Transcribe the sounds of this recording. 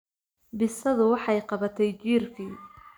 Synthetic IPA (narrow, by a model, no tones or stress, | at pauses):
bɪsɐðʊwɑħɑjqɑβɐt̪ʰɛjt͡ʃiːrkʰiː